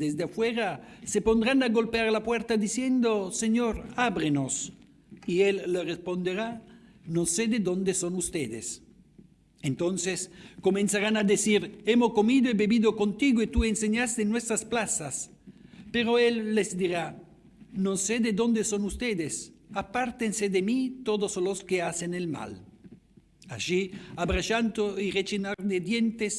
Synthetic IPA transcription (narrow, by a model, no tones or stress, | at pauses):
d̪ezd̪eafweɾasepond̪ɾanaɡolpeaɾlapweɾt̪ad̪isjend̪oseɲoɾabɾenos | ielːerespond̪eɾa | nosed̪ed̪ond̪esonust̪eðḛs | ent̪onseskomẽnsaɾanad̪esiɾemokomid̪oebebiðokont̪iɡoet̪uenseɲast̪enːwest̪ɾasplasas | peɾoelːezd̪iɾa | nõnsed̪ed̪õnd̪esonust̪ed̪esapaɾt̪ensed̪emit̪od̪osloskeasenelma̰l | a̰ʃiabɾat͡ʃant̪oiret͡ʃinaɾd̪ed̪jent̪es